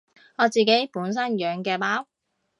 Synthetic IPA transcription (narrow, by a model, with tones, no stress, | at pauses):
ŋɔː˨˧t͡siː˨ke˨˥jpuː˨˥ns̬ɐ˥njœː˨˧ŋkɛː˧paː˨˥w